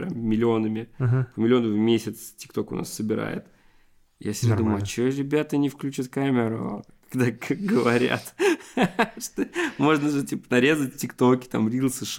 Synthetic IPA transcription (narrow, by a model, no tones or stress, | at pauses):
ɾʲa̰mmʲɪlʲɪo̞nəmʲɪpmʲɪlʲɪo̞nəvvmʲesʲət̪stʲɪ̥kt̪o̞kʊ̰nʔa̰sːəbʲɪɾa̰jɪ̰t̪ | jasʲɪd̪mɐt͡ɕoɾʲɪbʲat̪ənʲɪfklʲʉt͡ɕɪt̪kamʲɪɾʊkɐ̥ɡd̪aɡəvɐɾʲa̰t̪ | ʂt̪omo̞ʐnəʐɨtʲipə̥nɐɾʲe̞zət̚ʲtʲɪkt̪o̞kʲɪ̥t̪amɾʲilˠsɨʂ